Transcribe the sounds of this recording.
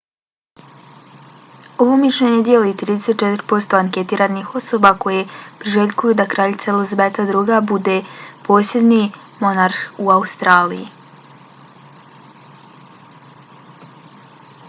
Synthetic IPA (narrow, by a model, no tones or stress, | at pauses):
o̞ʋo̞miʃʎeɲed̪ijelit̪ɾiːd̪eset̪̚t͡ʃe̞t̪ɾpo̞st̪o̞aŋke̞t̪iːɾanixo̞so̞bako̞je̞pɾiʒeʎʲkujud̪akɾaːʎit̪salezbet̪ad̪ɾuːɡabud̪e̞po̞ːsje̞d̪ni | mo̞naɾxuaust̪ɾaːlijḭ